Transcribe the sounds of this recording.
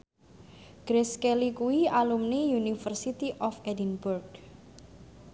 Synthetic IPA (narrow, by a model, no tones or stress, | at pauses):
ɡ̥ɾeskelikuwialumnijunifərsit̪iʔɔfɛdinburɡ